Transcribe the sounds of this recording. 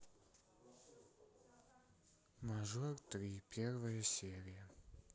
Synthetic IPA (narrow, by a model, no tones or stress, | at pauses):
maʐɔrt̪ɾʲipʲervəjəsʲeɾʲɪjə